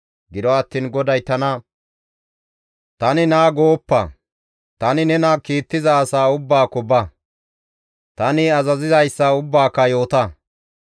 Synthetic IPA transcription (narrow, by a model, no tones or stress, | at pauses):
ɡɪd̪ɔɐt̪ːiːnɡɔd̪ɐjt̪ɐnɐ | t̪ɐnɪnaːɡo̞ːpːɐ̰ | t̪ɐnɪnɛnɐkiːt̪ːɪzɐːsaːʊbːaːkɔbɐ | t̪ɐnɪɐzɐzɪzɐjsːɐʊbːaːkːɐjo̞ːt̪ɐ